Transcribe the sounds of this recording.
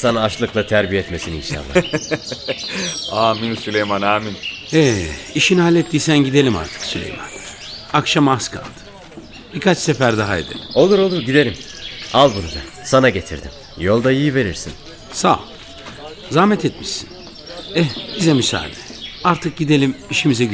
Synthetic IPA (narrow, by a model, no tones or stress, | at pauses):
sanaːʃlˠɯklˠat̪ʰæɾbijeɛt̪me̞sinḭnʃa̰nːˠa | aːminsylʲejmanaːminɛiʃinhalʲːet̪ʰːiːsænɟid̪e̞lʲima̰ɾt̪ʰɯ̥ksylʲḛjma̰n | akʃamaskʰa̰lˠd̪ɯ̥ | b̥ikʰat͡ʃsefæɾd̪aɦaḭd̪ɪ̰o̞lˠuɾo̞lˠuɾɟid̪e̞lʲim | alˠbunud̪a̰sanaɟe̞t̪ʰḭɾd̪im | jo̞lˠd̪aijive̞ɾiɾsḭn | sa̰ | zaːmɛt̪ʰɛt̪miʃsin | ɛbizɛmysa̰ːd̪ɛaɾt̪ʰɯk̚ɟid̪e̞lʲimiʃimizɛ